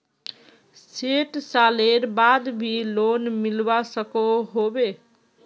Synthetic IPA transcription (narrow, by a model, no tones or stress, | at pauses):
seʈsaleɾbad̪bʱilonmilbasəkoɦobe